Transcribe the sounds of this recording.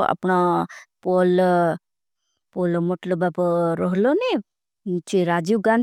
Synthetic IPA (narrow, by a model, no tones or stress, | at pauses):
a̰pnapol | polmoʈlobapɔɾɔɦloni | t͡ʃʰiɾad͡ʒiɡan